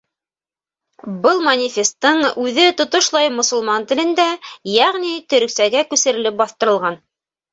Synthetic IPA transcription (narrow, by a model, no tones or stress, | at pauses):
bɤlˠmɐnʲɪfʲest̪ːɤɴʉðɘt̪ŏt̪ŏʃlˠɑjmŏsŏlˠmɑnt̪ɘ̆lɘ̆nd̪æjæʁnit̪ɵ̆ɾɵ̆ksæɡækʉsɘ̆ɾɘ̆lɘp̚bɑθt̪ɤ̆ɾɤ̆lˠʁɑn